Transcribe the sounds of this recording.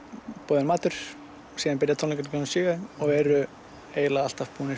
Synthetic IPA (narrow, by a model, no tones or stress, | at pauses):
pɔːðɪnmaːt̪ʏɾ̥ | siːðanpɪɾjat̪ʰɔnɪkɛɾkɔnsʏːɣaɔɣɛːɾʏ | eːjlaal̥t̪afpuːnɪ